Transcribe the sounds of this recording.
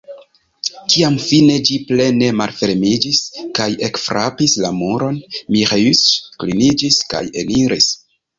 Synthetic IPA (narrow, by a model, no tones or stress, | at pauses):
kiamfine̞d͡ʒiple̞ne̞malfe̞ɾmid͡ʒiskaje̞kfɾʔa̰pislamuɾo̞nmiʁysklinid͡ʒiska̰je̞̰niɾis